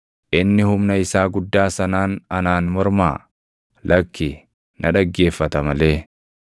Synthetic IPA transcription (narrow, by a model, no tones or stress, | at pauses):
ʔɪnːɪhʊmnɐɪsaːɡʊd̪ːaːsɐnaːnɐnaːnmɔɾma̰ː | lɐkːɪ | nʔɐᶑɐɡːe̞ːfːɐt̪ɐmɐle̞ː